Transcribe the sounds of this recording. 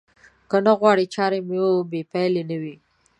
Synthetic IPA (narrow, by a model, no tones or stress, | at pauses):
kənaɣwɑɽit͡ʃɑɾemeobepajlenəwi